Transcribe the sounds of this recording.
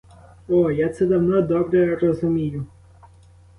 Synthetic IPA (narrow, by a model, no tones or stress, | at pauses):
ɔjat̪sɛd̪ɐwnɔd̪ɔbɾɛɾɔzʊmʲijʊ